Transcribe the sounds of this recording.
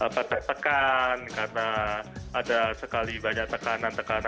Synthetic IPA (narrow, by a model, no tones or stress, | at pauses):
apat̪aht̪əkankarənaʔːdasəkalibaɲak̚t̪əkanant̪əkana